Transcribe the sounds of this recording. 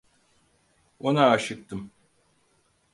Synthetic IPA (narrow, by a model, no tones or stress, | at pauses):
onaːʃɯk̚t̪ɯm